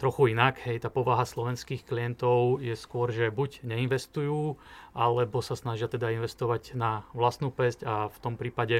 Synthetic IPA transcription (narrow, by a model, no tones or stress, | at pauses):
t̪ɾɔxuinaɡɦɛjt̪aːpɔʋaɦaslɔʋɛnskiːxklijɛnt̪ɔʊjɛskʊɔɾʒɛbuɟɲɛinʋɛst̪ujuːʔalɛbɔsasnaʒɪat̪ɛd̪ainʋɛst̪ɔʋaɟnaʋlast̪nuːpɛscaft̪ɔmpɾiːpaɟɛ